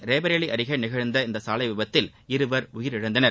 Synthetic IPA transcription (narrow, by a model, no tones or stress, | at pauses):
ɾeːbɐɾɐɭiʔɐɾɪɣɐnɪɣɐɻnd̪ɐɪnd̪ɐsaːlɐɪʋɪbɐt̪ːɪl | ɪɾɯʋɐɾʊjɪɾɪɽɯnd̪ɐnɐɾ